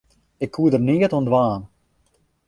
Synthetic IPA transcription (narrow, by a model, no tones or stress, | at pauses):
ɪkʰːuədərniətɔndʋaːn